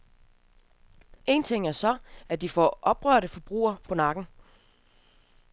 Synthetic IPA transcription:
e̝̰ːnt͡sʰe̝ŋ̰æɐsɒ̽æd̥ifɒ̰ʔɒ̽b̥ʁœɐ̰ɾəfɒ̽b̥ʁṵːɐpʰɒ̽nɑ̈ɡ̥n̩

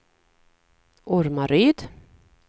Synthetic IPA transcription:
ʔʊɾmaɾyːd̪

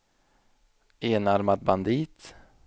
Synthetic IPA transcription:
eːnaɾmad̪̚band̪iːt̪

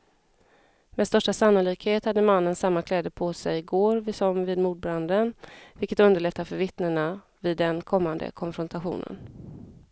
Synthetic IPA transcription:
meɛd̪st̪œʂʈasanːʊliːkheːt̪had̪ːəmanːənsamːakʰlɛːd̪əpʰɔsɛjɪɡoːɾvɪsɔmvɪːd̪muːd̪̚bɾand̪ənvɪlkət̪ɵnd̪əɭɛt̪ːafœɾvɪt̪nəɳa | vɪd̪ːɛnkʰɔmːand̪ə̰kʰɔnfɾɔnt̪ʰaɧṵːnə̰n

